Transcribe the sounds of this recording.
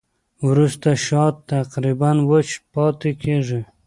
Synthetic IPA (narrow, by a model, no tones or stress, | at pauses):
wɾust̪aʃɑt̪ːaqɾibanwət͡ʃpɑt̪ekʰeʐɪ